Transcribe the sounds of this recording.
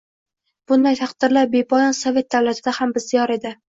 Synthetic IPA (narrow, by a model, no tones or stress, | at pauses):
b̥ʊnd̪ajt̪ʰɑqd̪̥ɪɾlaɾ̚be̞pʰɒjɒnsɒve̞t̪̚d̪avlat̪ʰɪd̪ahambɪzːɪjɒɾe̞d̪ɪ